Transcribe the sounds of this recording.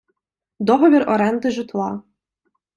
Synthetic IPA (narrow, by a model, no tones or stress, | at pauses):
d̪ɔɦɔʋʲiɾɔɾɛnd̪ɪʒɨt̪lˠɑ